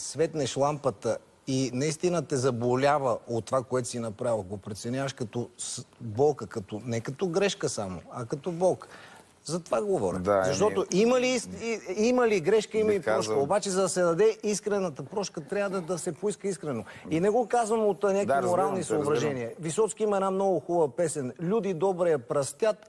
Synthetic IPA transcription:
svɛt̪nɛʃlˠampət̪ə | inɐist̪inət̪ɛzɐbolʲavəot̪ːovakoɛt̪ʊ̥sinɐpɾavəɡopɾɛt̪sɛnʲjavəʃkɐt̪ɔsbɔlˠkəkɐt̪ɔnɛkɐt̪ɔɡɾɛʃkəsamo̰ɐkɐt̪ɔbɔlˠk | zɐt̪ovaɡovɔɾʲə̰zɐʃt̪ɔt̪oimɐlisimɐliɡɾɛʃkəimɐlipɾɔʃkəobat͡ʃɛzɐd̪ɐsɛd̪ɐd̪ɛiskɾɛnət̪əpɾɔʃkət̪ɾʲavəd̪ɐd̪ɐsɛpoiskəiskɾɛnoinɛɡokazvəmot̪nʲakkiimoɾalˠnisɐʊbɾɐʒɛniəvisɔt̪skiimɐɛd̪namnɔɡʊxubəpɛsɛnlʲud̪id̪ɔbɾɛɐpɾɐst̪ʲat̪̚

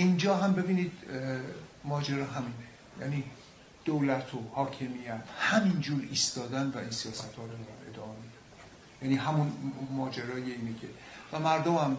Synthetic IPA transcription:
ind͡ʒɒːɦæmbe̞biːniːd̪ | mɒːd͡ʒeɾɒːɦæmine | jæ̰ːniː | d̪̥owlæt̪ʰohɒːcʰe̞mijæt̪ʰhæmind͡ʒuːɾiːst̪ɒːd̪ænvæʔiːnsijɒːsæt̪ʰhɒːɾod̪ɒɾæne̞̰d̪ɒːʔɒmid̪ | jæniːɦæmunmɒːd͡ʒeɾɒːjeiːnecʰe̞væmæɾd̪omæm

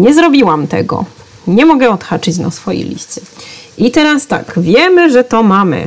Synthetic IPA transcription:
ɲɛzɾɔbʲiwamt̪ɛ̰ɡɔ̰ | ɲɛmɔɡɛɔt̪xat͡ʂɘt͡ɕna̰sfɔjḛlʲḭst̪sɛit̪ɛɾast̪a̰kvʲjɛmɘʐɛt̪ɔmamɘ̰

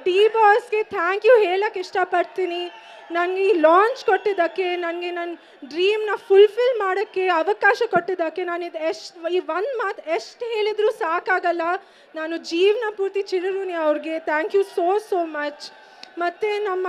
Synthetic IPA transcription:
ɖiːbɔːsɡe̞t̪ʰaːŋkjuːɦeːɭɐkːiʂʈɐpɐɽt̪iːni | nɐnɡeilaːɲt͡ʃkoʈːid̪ɐkːe̞nɐnɡenɐn | ɖɾiːmnɐpulpilmaːɽɐkːe̞ɐʋɐkaːʃɐkoʈːid̪ɐkːe̞naːnid̪eʂʈiːʋond̪maːt̪eʂʈɦe̞ːɭid̪ɾuːsaːkaːɡɐlːɐ | naːnud͡ʒiːʋnɐpuːɾt̪it͡ʃilɐɾuːniɐʋɾiɡe̞t̪ʰaːŋkjusoːsoːmɐt͡ʃ | mɐt̪ːenɐmːɐ

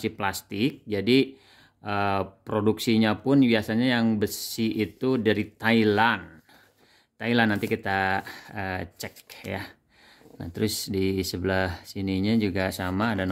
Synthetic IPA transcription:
siplast̪ɪk̚d͡ʒadi | ʔəpɾoduksiɲapʊnbiasaɲajaŋbəsiʔit̪udaɾit̪ailan | t̪ailanːant̪ikit̪aət͡ʃɛkja̰ | na̰t̪əɾʊsdisəbəlahsiniɲad͡ʒuɡasamaːdan

